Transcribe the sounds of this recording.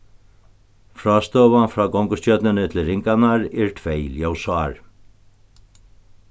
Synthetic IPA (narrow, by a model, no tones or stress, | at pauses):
fɾɔːst̪oːvanfɾaːkɔŋkʊst͡ɕœt̪nɪnɪt̪ʰɪlɾɪŋkanaɾɛɹt̪ʰvejljowsaɾ